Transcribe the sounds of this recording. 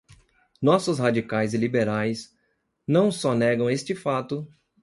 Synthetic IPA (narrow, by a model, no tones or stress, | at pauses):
nɔsʊshad͡ʒikajzɪlibeɾajs | nɐ̃w̃sɔnɛɡɐ̃w̃est͡ʃɪfat̪ʊ